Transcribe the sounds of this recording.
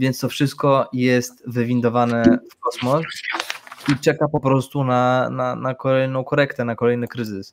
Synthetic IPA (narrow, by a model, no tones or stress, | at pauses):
vʲjɛnt̪st̪ɔfʂɘst̪̚kɔjɛst̪vɘvʲind̪ɔvanɛfkɔsmɔs | it͡ʂɛkapɔpɾɔst̪unananakɔlɛjnɔ̃w̃kɔɾɛkt̪ɛnakɔlɛjnɘkɾɘzɘs